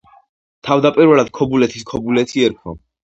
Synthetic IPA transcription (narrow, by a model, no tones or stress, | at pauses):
t̪ʰavd̪apʼiɾvɛlad̪̥̚kʰɔbulɛt̪ʰiskʰɔbulɛt̪ʰiɛɾkʰvɔ̰